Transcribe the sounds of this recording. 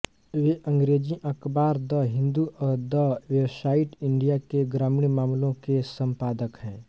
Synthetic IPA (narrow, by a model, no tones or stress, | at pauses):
ʋeʔə̃ŋɡɾeːd͡ʒiʔɐkbaːɾd̪əɦɪ̃nd̪uʔɔːɾd̪ɔʋewsaːɪʈɪ̃ɳɖijakeɡɾaːmiɳjmaːmlõkesə̃mpaːd̪əkɦɛ̃ː